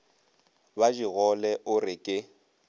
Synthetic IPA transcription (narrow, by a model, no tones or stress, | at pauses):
bad͡ʒiɣɔlɛʔʊrɪkʼɪ